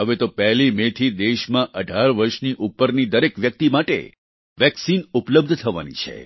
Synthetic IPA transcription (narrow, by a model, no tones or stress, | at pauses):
ɦəʋet̪opɛɦlimẽt̪ʰid̪eʃmãʔəɖʱaɾʋəɾʃniʔupːəɾnid̪əɾekʋjək̚t̪imaʈḛ | ʋɛksinupləb̚d̪ʱt̪ʰəʋa̰nḭt͡ʃʰḛ